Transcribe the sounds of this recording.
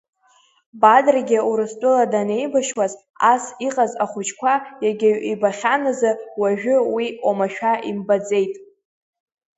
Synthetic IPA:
badrɡʲɪuɾɨst͡pʷʼʊladanejbaʃwaz | asiqʼazaχʷʊt͡ʃʰkʷʰajaɡʲɪɥibaχʲanɨzawaʒᶣʊwiomaʃᶣaʔimbad͡ze̞jtʼ

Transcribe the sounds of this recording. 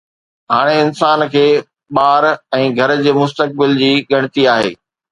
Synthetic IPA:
ɦaːɽ̃eɪnsaːnkʰeː | ɓaːɾɛ̃ːɡʱɐɾd͡ʑeːmʊst̪ək̚bɪld͡ʑiːɠɐɽ̃ɪt̪iaːɦḛː

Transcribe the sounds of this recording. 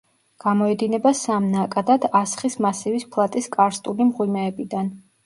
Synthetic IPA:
ɡ̥amɔɛd̪inɛbasamnakʼad̪ad̪asχismasivispʰlˠat̪ʼiskʼaɾst̪ʼulimʁwimɛːbid̪an

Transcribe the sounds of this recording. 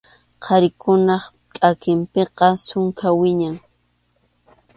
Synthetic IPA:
qʰɑɾɪkʊnɑχ | tʼakɪmpeqɑsʊŋkʰawɪɲaŋ

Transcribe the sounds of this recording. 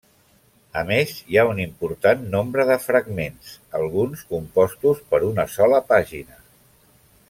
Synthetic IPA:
əmeziaunimpuɾt̪anːombɾəðəfɾəɡmensəlˠɣunskumpɔst̪uspəɾunəsɔləpaʒinə

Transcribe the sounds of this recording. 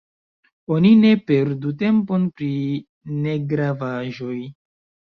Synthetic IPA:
o̞nine̞pe̞ɾdute̞mpo̞npɾi | ne̞ɡɾavaʒo̞j

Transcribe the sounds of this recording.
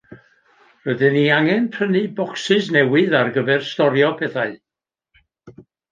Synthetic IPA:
rədɨniaŋɛnpʰrənɨbɔksɨsnɛwɪðarɡəvɛrstɔɾjɔpʰɛθaɨ

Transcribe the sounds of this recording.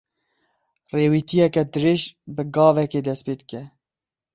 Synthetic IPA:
reːwiːt̪ijɛkɛd̪ɨɾeʒbɨɡɑːvɛkeːd̪ɛst̪peːd̪ɨ̥kʲɛ

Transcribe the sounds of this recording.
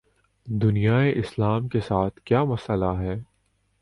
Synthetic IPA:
d̪ʊnijaeʔɪslaːmkesaːt̪ʰkjaːmɐsəlaɦɛː

